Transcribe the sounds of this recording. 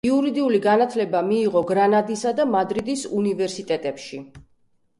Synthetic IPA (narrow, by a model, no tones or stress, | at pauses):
iuɾid̪iuliɡanat̪ʰlɛbamiːʁɔɡɾanad̪isad̪amad̪ɾid̪isunivɛɾsit̪ʼɛt̪ʼɛpʃi